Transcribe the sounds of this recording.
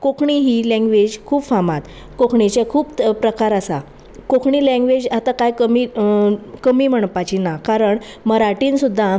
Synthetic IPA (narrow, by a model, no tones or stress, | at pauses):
kokʰɳiɦiːlɛ̃ŋɡʋed͡ʑkʰuːbfamat̪ | kokʰɳit͡ɕjekʰuːppɾəkaɾəsa | kokʰɳiːlɛ̃ŋɡʋed͡ʑat̪akajkəmiː | kəmiːm̤əɳpat͡ɕinakaɾəɳ | məɾaʈiːnsud̪ʱːa